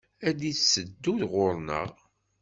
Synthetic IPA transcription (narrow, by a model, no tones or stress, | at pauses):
æd̪iθsəd̪ːuðʁʊɾˤnə̰ʁ